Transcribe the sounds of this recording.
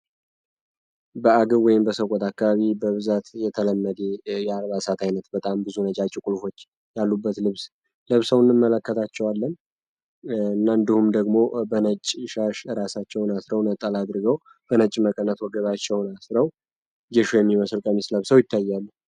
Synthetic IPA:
bəaɡəβwɔjɪmbəsəkʼɔt̪akːaβaβibəβɨzat̪jɛt̪ʰələmːəd̪ejɛalβasat̪ʰajnət̪bət̪ʼambɨzunət͡ʃʼat͡ʃʼːikʼulfo̞t͡ʃː | jalːubːət̪lɨβs | ləβsəwɨnːɨmːələkːət̪ʰat͡ʃːɛwalːən | ɨnːaɨnd̪ihumd̪əɡmo̞bənət͡ʃʼːʃaʃɾasat͡ʃːɛwnasɾəwnət̪ʼəlad̪ɾɨɡəw | b̥ənət͡ʃʼməkʼənːət̪wɔɡəβat͡ʃːɛwnasɾəw | ɡɛʃujɛmːiməsɨlkʼəmisləβsəwjɪt̪ʰːajːalːə

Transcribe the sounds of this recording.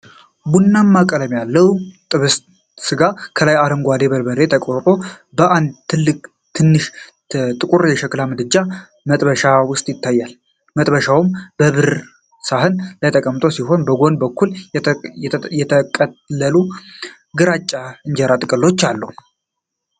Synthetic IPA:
bunːamːakʼələmjalːəwt̪ʼɨβɨst̪ | sɨɡakʰəlajaɾəmɡʷad̪e̞bəlbəɾet̪ʰəkʼoɾt̪ʼo̞bəʔand̪t̪ʰɨlːɨkʼ | t̪ʰɨnːɨʃ | t̪ʼɨkʼuɾjɛʃəklamɨd̪ɨd͡ʒa | mət̪ʼbəʃawʊst̪ʼjɪt̪ːajːal | mət̪ʼbəʃawumbəβɨɾ | saɦɨnlət̪ʰʼəkʼəmt̪ʼo̞siɦo̞nbəɡo̞nbəkʰːul | jɛəkʼəlːəlu | ɡɨɾat͡ʃʼːaɨɲd͡ʒɛɾat̪ʼɨkʼɨlːo̞t͡ʃːalːəhu

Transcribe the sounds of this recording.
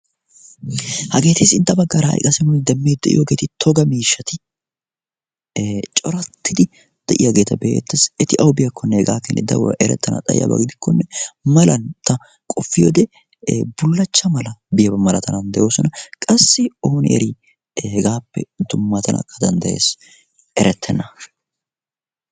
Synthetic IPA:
hɐɡe̞ːt̪esɪnt̪ɐbɐɡːɐɾɐhɐ̰jkʼɐsɪnʊnd̪ɐmːeːd̪ɛʔɪ̰joɡeːt̪ɪt̪ʰɔɡɐmiːʃːɐt̪ɪ | t͡ʃʼɔɾɐt̪ːɪd̪ɪ | d̪̥ɐʔɪjɐɡe̞ːt̪ːɐbḛːt̪ːɐsɛt̪ɪʔɐwbɪjɐkʰːɔnːɛhɛɡa̰ːkːɪnːɛd̪ɐ̰w̰ʔɛɾɛ̰t̪ːɐnɐ̰t̪ʼɐjɪ̰jɐ̰bɐ̰ɡd̪ɪkːɔnːɛmɐlɐnt̪ɐ | kʼɔfːɪjod̪ɛ | bʊlːɐt͡ʃːɐmɐlɐbɪjɐbɐmɐlɐt̪ɐnɐnd̪ɛjo̞ːsɔnɐkʼɐsːɪoːnɪ̰ʔɛ̰ɾi | hɛɡaːpːɛ̰d̪ʊmːɐt̪ɐnʔɐ̰kʰːɐd̪ɐnd̪ɐje̞̰ːs | ɛɾɛt̪ʰːɛnːɐ

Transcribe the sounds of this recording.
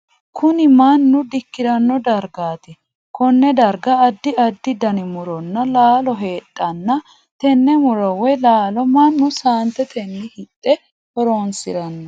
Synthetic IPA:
kʰʊnɪmɐnːʊd̪ɪkːɪɾɐnːɔd̪ɐɾɡaːt̪ɪ | kɔnːɛd̪ɐɾɡɐːd̪ːɪɐd̪ːɪd̪ɐnɪmʊɾɔnːɐlaːlɔɦe̞ːtʼːɐnːɐ | t̪ɛnːɛmʊɾɔwɛlaːlɔmɐnːʊsaːnt̪ɛt̪ʰɛnːɪhɪt̪ʼːɛ | hɔɾoːnsɪ̰ɾɐnːɐ

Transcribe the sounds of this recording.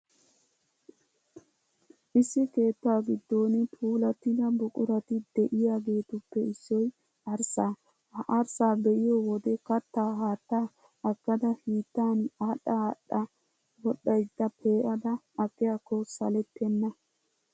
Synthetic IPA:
ʔɪsːɪke̞ːt̪ːaːɡɪd̪ːo̞ːnɛpʰuːlɐt̪ːɪd̪ɐbʊkʼʊɾɐt̪ɪd̪ɛʔɪjaːɡe̞ːt̪ʊpːɛɪsːɔj | ɐɾsaː | hɐʔɐɾsaːbɛʔɪjoːwɔd̪ɛkɐt̪ːaːɦaːt̪ːaː | ɐkːɐd̪ɐhiːt̪ːaːnaːɗɐɐɗɐ | bɔɗɐjd̪ːɐpʰe̞ːʔɐd̪ɐ | ɐkːɪjaːkːɔsɐlɛt̪ːɛnːɐ

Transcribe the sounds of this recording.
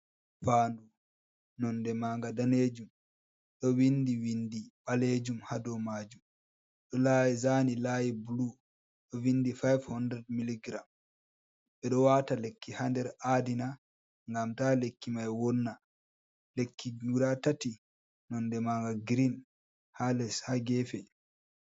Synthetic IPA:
faːndu | nɔndɛmaŋɡadaned͡ʒum | ɗɔwindiwindiɓaled͡ʒumhadɔmad͡ʒum | ɗɔlaːjizaːnilaːjibulu | ɗɔwindifajvhɔndɾɛd̚miliɡɾam | ɓɛɗɔwatalekːihandɛɾadina | ŋɡamtaːlekːimajwɔnːa | lekʰːiuɾatati | nɔndɛmaŋɡaɡɾin | halɛshaɡɛfɛ

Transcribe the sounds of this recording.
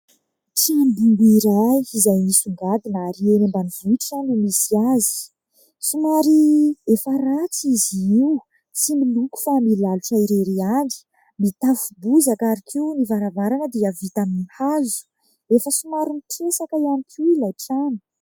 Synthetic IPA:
ʈ͡ʂambumbiɾajizajmisuŋɡad̪inaɾienembanivuʈ͡ʂanumisiazi̥ | sumaɾiefəɾat͡siziw | similuku̥familaluʈ͡ʂaiɾeɾiaɳi̥ | mit̪afubuzakaɾikʰiunivaɾavaɾanəd̪iəvit̪aminihazu̥ | efəsumaɾimitʰesakəianikʰuilajʈ͡ʂani̥

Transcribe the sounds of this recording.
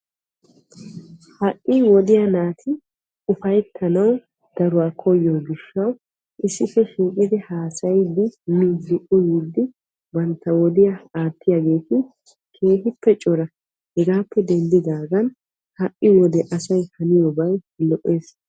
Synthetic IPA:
hɐʔʼːɪwɔd̪ɪjɐnaːt̪ʰɪ | ʊfɐjt̪ʰːɐnɐw | d̪̥ɐɾʊwaːkʰɔjːoːɡɪʃːɐw | ʔɪsːɪfːɛʃiːkʼɪd̪ɪhaːsɐjd̪ɪmɪːdɪʔʊjid̪ɪ | bɐnt̪ːɐwɔd̪ɪjɐaːt̪ːɪjaɡe̞ːt̪ɪ | kʰe̞ːɦɪpːɛt͡ʃʼɔɾɐ | hɛɡaːpːɛd̪ɛnd̪ɪd̪aːɡɐn | hɐʔʼːɪwɔd̪ɛʔɐsɐjhɐnɪjɔːbɐj | lɔʔːe̞ːs

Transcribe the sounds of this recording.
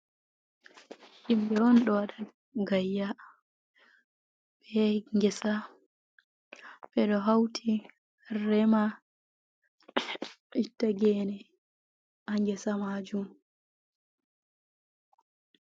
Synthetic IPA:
ʔimɓɛwɔnɗɔwaɗa | ɡajːa | ɓɛŋɡɛsa | ɓɛɗɔɦawtʰi | rɛma | itːaɡɛnɛ | aŋɡɛsamad͡ʒum

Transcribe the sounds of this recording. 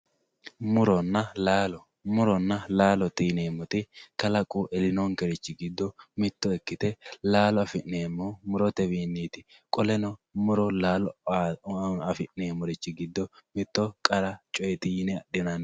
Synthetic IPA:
mʊɾɔnːɐlaːlɔ | mʊɾɔnːɐlaːlɔt̪iːneːmːɔt̪ɪkɐlɐkʼːʊʔɛlɪnɔŋkɛɾɪt͡ʃːɪɡɪd̪ːɔmɪt̪ːɔɛkːɪt̪ɛlaːlɔɐfɪʔːeːmːɔmʊɾɔt̪ɛwiːnːiːt̪ɪ | kʼɔlɛnɔmʊɾɔlaːlɔ | ɐfɪʔneːmːɔɾɪt͡ʃːɪɡɪd̪ːɔmɪt̪ːɔkʼɐɾɐt͡ʃʼɔjɛt̪ɪjɪnɛɐɗɪnan

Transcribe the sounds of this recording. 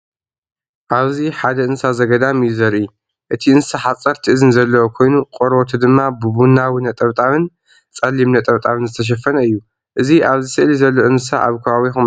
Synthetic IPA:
ʔaβziħad̪ɐʔɨnsazɐɡɐd̪amɨjːuzɐɾʔi | ʔɨt̪ʰiɨnɨsaħat͡sʼɐɾt̪ʰɨʔɨzɨnzɐlːɐwokʰo̞jnukʼoɾot̪ʰud̪ɨmːabɨbunawinɐt̪ʼɐβt̪ʼaβɨn | t͡sʼɐlːimnɐt̪ʼɐβt̪ʼaβɨnzɨt̪ʰɐʃ̬ɐfːɐnɐɨjːu | ʔɨziʔaβzisɨʔlizɐlːoɨnsa̰ʔaβkʰɐβaβixum

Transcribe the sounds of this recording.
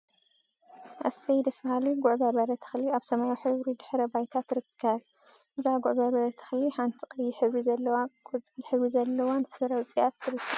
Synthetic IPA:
ʔɐ̰sɐjd̪ɐsbɐhaliɡʊʕbɐβɐɾɐt̪ʰɨ̥xliaβsɐmajuħɨβɾid̪ɨħɾɐbajt̪ʰat̪ːɾɨkʰːɐβ | ʔɨzaɡʊʕbɐβɐɾɐt̪ʰɨ̥xliħant̪ʰikʼɐjːɪħɨβɾizɐlːɐwaɡʼot͡sʼjɪħɨβizɐlːɐwanfɨɾɐwt͡sʼijat̪ʰːɨɾɨkʰːɐ

